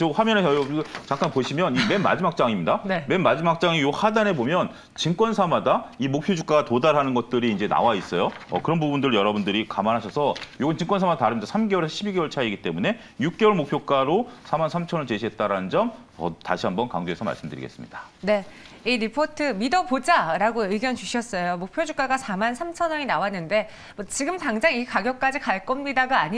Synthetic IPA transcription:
ohamjʌneʌt͡ɕaŋk͈anpoɕʰimjʌnime̞nma̰d͡ʑimak̚t͡ɕ͈aŋimɲidanme̞nmad͡ʑimak̚t͡ɕ͈aŋijohadane̞bomjʌn | t͡ɕink͈wʌnsʰamadaimok̚pʰjod͡ʑuk͈aɡatodaɾɦanɯnɡʌt̚t͈ɯɾiːnd͡ʑe̞na̰wais͈ʌjoʌ̰kɯɾʌnbubundɯɭjʌɾʌbundɯɾikamanɦaɕʰʌsʰʌjoɡɯnt͡ɕiŋk͈wʌnsʰamadataɾɯmɲidasʰamɡe̞wʌɭesʰɕʰibiɡe̞wʌɭt͡ɕʰaiɡit͈e̞mune̞ | juk̚k͈ewʌɭmok̚pʰjok͈aɾosʰamansʰamt͡ɕʰʌnʌɭt͡ɕe̞ɕʰiɦe̞t̚t͈aɾanɯnd͡ʑʌm | ʌta̰ɕʰiɦambʌnka̰ŋd͡ʑoɦe̞sʰʌma̰ɭs͈ɯmdɯɾḭɡe̞̰s͈ɯmɲid̥ḁ | ne̞ | iɾipʰotʰɯmidʌpod͡ʑaɾaɡoɯɡjʌnt͡ɕuɕʰiʌs͈ʌjomok̚pʰjod͡ʑuk͈aɡasʰamansʰamt͡ɕʰʌnʌɲinawanːɯnde̞ | ʌt͡ɕiɡɯmtaŋd͡ʑaŋikaɡjʌk̚k͈ad͡ʑikaɭk͈ʌmɲidaɡaːɲ

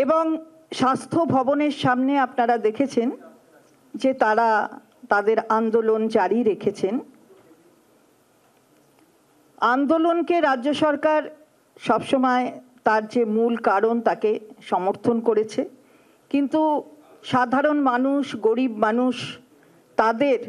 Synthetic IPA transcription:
eboŋ | ʃast̪ʰobʱɔboneɾʃamneapnaɾad̪ekʰet͡ɕʰen | d͡ʑet̪aɾa | t̪ad̪eɾand̪olont͡ɕaɾiɾekʰet͡ɕʰen | and̪olonkeɾadːoʃɔɾkaɾ | ʃɔbʃomɔet̪aɾd͡ʑemulkaɾont̪akeʃɔmoɾt̪ʰonkoɾet͡ɕʰe | kint̪u | ʃad̪ʱaɾonmanuʃɡoɾibmanuʃ | t̪ad̪eɾ

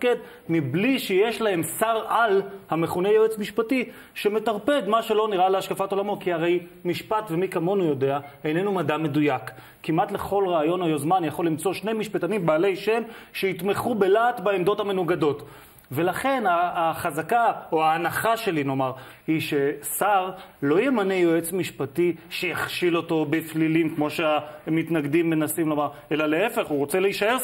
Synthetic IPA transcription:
ked̪ | mibliʃeje̞ʃlahe̞msaʁalhame̞χunejevet͡smiʃpati | ʃe̞me̞t̪aʁpe̞d̪maʃelo̞niʁaleaʃkafato̞lamo̞kihaʁe̞jmiʃpat̪ve̞mikamo̞nujode̞aejne̞numadame̞dujakː | imʔat̪leχo̞lʁaːjo̞nojozmanjaχo̞lːimt͡so̞ʃnejmiʃpat̪animbaːle̞jʃe̞mʃeit̪meχube̞laːt̪baemd̪o̞thame̞nuɡado̞t | ve̞laχe̞naaχazakaoaːnaχaʃe̞lino̞maʁ | hiʃe̞saʁlo̞jemanejoet͡smiʃpatiʃejaχʃilo̞to̞beflilimkmo̞ʃeamitnaɡd̪imːenasimlo̞maʁe̞lale̞e̞fe̞χuʁo̞t͡seleiʃaeʁ

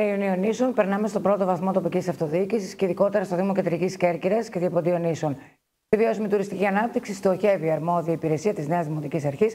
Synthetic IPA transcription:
eiunio̞nisonpe̞ɾnɐme̞st̪o̞bɾo̞t̪ovɐθmo̞t̪o̞picʲisɐft̪o̞ðicisisceiðiko̞t̪eɾɐst̪oðimocend̪ɾicisceɾciɾɐsce̞ðiɐpond̪io̞nison | ivio̞sumet̪uɾist̪icʲiɐnɐp̚t̪iksist̪o̞çe̞viɐɾmo̞ðiiːpiɾe̞siɐt̪izneɐzðimot̪icisɐɾçis

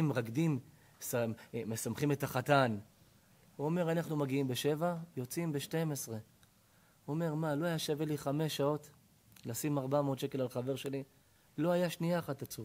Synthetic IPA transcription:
mʁaɡdim | samesamχime̞taχatan | uome̞ʁanaχnumaɡiimbe̞ʃe̞vajo̞t͡simbe̞ʃtemesʁe̞ | uome̞ʁmalo̞ajaʃeveliχame̞ʃao̞t | lasimaʁbameotʃeke̞lalχave̞ʁʃe̞li | lo̞ajaʃniaχatat͡su

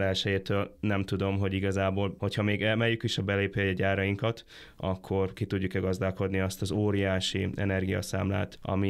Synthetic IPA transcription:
lɛlʃɛjeːt̪øːlnɛmt̪ud̪o̞mɦo̞ɟiɡɒzaːboːlho̞chɒmeːɡɛmɛjːykiʃɒbɛleːpejɒɟaːɾɒjiŋkɒt̪ | ɒkʰːo̞rkit̪uɟːukɛɡɒzd̪aːlko̞d̪niɒst̪ɒzoːɾijaːʃiɛ̰nɛrɡijɒ̰sa̰ːmla̰ːt̪ɒ̰mi

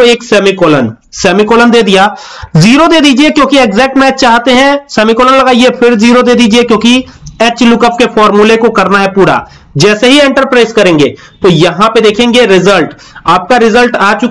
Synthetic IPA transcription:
oeːksɛːmikoːlən | sɛːmikoːlənd̪eːd̪ija | ziːɾod̪eːd̪iːd͡ʒiekjõːkieɡzɛːk̚ʈmɛːt͡ʃt͡ʃaːɦt̪eɦɛ̃sɛːmikoːlənlɐɡaːiepʰɪɾziːɾod̪eːd̪iːd͡ʒiekjõːkieːt͡ʃlʊkəpkefʰɔːɾmulekokɐɾnaɦɛpuːɾa̰ | d͡ʒɛːseɦiẽɳʈəɾpɾaːɪzkɐɾẽːŋɡḛː | t̪ojɐɦãped̪eːkʰẽːŋɡeɾɪzəlʈ | aːp̚kaɾɪzəlʈaːt͡ʃʊk

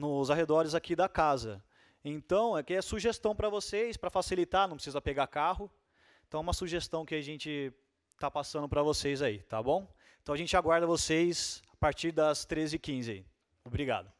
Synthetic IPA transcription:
nʊzaɦed̪ɔɾɪzakid̪ɐkazɐ | ẽt̪ɐ̃w̃ɛkɪɛsuʒest̪ɐ̃w̃pɾɐvosejspɾɐfasilit̪anɐ̃w̃pɾɪsizɐpeɡakaɦʊ̃ | t̪ɐ̃w̃ɛũmɐsuʒest̪ɐ̃w̃kɪaʒẽnt͡ʃɪ | t̪apasɐ̃nd̪ʊpɾɐvosejzait̪a̰bõw̃ | ẽt̪ɐ̃w̃ɐʒẽnt͡ʃɪaɡwaɾd̪ɐvosejsapaɾt͡ʃiɾd̪ɐst̪ɾezɪɪkĩzɪaḭ | obɾiɡa̰d̪ɐ

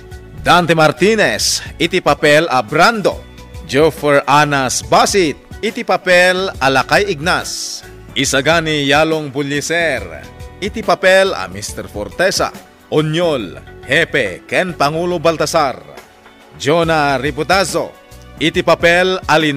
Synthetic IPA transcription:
d̪ant̪ɛmaɾt̪inɛsit̪ipapɛlɐbɾand̪o̰ | d͡ʒɛfɛɹʔanasbasit̪̚ɪt̪ipapɛlɐlɐkajɪɡ̚nas | ʔisaɡanijaloŋbʊlisɛɾɪt̪ipapɛlɐ̰mist̪ɛɾfo̰ɾt̪ɛsa̰ | ʔonjolhɛpɛkɛnpaŋulobalt̪ɐsar | d͡ʒonaɾibot̪azo̰ | ʔɪt̪ipapɛlɐlin

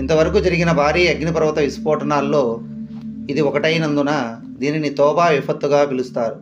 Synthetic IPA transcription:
int̪ɐʋɐɾɐkuːd͡ʒɐɾiɡinɐbʱaːɾiːɐɡnipɐɾʋɐt̪ɐʋispɔːʈɐnaːlːo̞ː | id̪iɔkɐʈɐjnɐnd̪unɐ | d̪iːninit̪ɔːbaːʋipʰɐt̪ːuɡaːpilust̪aːɾu

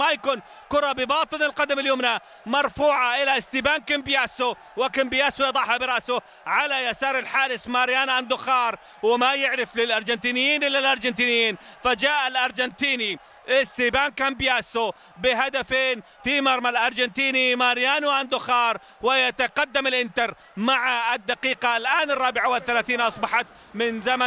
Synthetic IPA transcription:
ajakuːn | kʊɾˤɑbɪbɑːt̪ˤɨnɪlqɑd̪amɪljoːmna | mɑɾˤfuːʕaʔɪlaɪst̪iːbaːnkɪmbjaːsu | wɪkɪmbɪjaːsʊjɑd̪ˤɑħhabɪɾˤɑʔsʊ | ʕalajasɑːɾˤɪlħaːɾɪsmaɾjaːnʕand̪ʊxɑːɾˤ | wɪmajɪʕɾɪflɪlʔɑɾˤd͡ʒɪnt̪iːnɪjːiːnʔɪlːalʔɑɾˤd͡ʒɪnt̪iːnɪjːiːnfad͡ʒaːʔalʔɑɾˤd͡ʒant̪iːni | ɪst̪iːbaːnkambɪjaːsu | bɪɦad̪afeːn | fimɑɾˤmalʔɑɾˤd͡ʒɪnt̪iːnimaɾjaːnwʔand̪ʊxɑːɾˤ | wɪjat̪aqɑd̪ːamɪlʔɪnt̪ɑɾ | maʕaɪd̪ːaqiːqalʔaːnɪrˤːɑːbɪʕawɪθːalaːθiːnʔɑsˤbɑħɑt̪ | mɪnzama

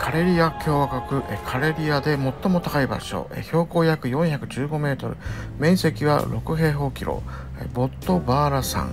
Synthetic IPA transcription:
kʰaɾe̞ɾʲiakʲo̞ːβakakɯ̟ʔekʰaɾe̞ɾʲiad̪e̞mo̞t̪ːo̞mo̞t̪akaiba̰ɕo̰ḛço̞ːko̞ːjakɯ̟jõ̞ɰ̃çakɯ̟d͡ʑɨːɡo̞me̞ːt̪o̞̰ɾɯ̟mẽ̞ɰ̃se̞kʲiβa̰ɾo̞kɯ̟ɦe̞ːɦo̞ːkʲiɾo̞̰ | ḛbo̞t̪ːo̞baːɾasã̰ŋ

